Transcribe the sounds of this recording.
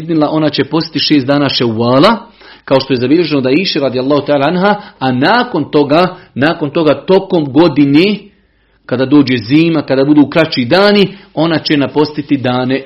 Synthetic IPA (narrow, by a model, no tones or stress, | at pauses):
znilˠaʔo̞nat͡ɕe̞po̞st̪i̥t̪iʃeːsd̪aːnaːʃɛwːaːla | kao̞ʃt̪o̞jezabiʎe̞ʒe̞nod̪aiːʃiɾad̪ijalˠːɑːhut̪aːlaanɦaːanaːko̞nt̪oɡanaːko̞nt̪o̞ɡaːt̪o̞ko̞mɡo̞d̪ineː | kad̪aːd̪o̞ːd͡ʑeziːmakad̪aːbud̪uːkɾat͡ɕiːd̪aːnio̞nat͡ɕe̞napo̞st̪it̪id̪aːne̞